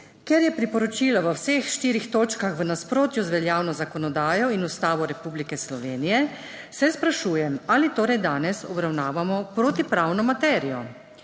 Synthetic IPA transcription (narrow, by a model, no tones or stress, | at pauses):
kɛɾjɛpɾipɔɾɔt͡ʃiːlaʋəwsexʃt̪iːɾixt̪oːt͡ʃkaxʋənaspɾoːt̪juzʋɛljaːwnɔzakɔnɔd̪aːjɔinust̪aːʋɔɾɛpublikɛslɔʋeːnijɛ | sɛspɾaʃuːjɛmaːlit̪oːɾɛjd̪aːnɛsɔ̰bɾawnaːʋamɔpɾoːt̪ipɾawnɔmat̪ɛːɾijɔ